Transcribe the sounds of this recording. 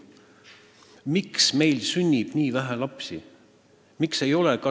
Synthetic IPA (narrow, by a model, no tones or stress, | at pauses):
miksme̞jlsynʲːib̥niːvæɦælɑpsi | mikse̞jo̞lekɑ